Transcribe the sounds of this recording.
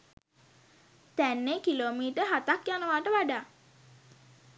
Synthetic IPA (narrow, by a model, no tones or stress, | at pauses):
t̪ænːekiloːmiːʈəɦat̪akjanəʋaːʈəʋaɖaː